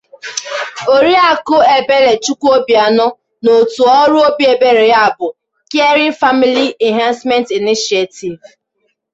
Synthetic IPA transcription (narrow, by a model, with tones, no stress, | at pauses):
o˨ɾi˦a˦kʊ˦e˨be˦le˨t͡ʃu˦ku˦o˦bi˨a˨nʊ˦ | no˨tu˨ɔ˦ɾʊ˦o˦bi˦e˨be˦ɾe˨ja˦a˨bʊ˨ | ke˦ɾi˦n̩˦fa˦mi˦li˦ɛ˨nɦã˦nsmɛ̃˦nti˨ni˦ʃi˨e˨ti˨v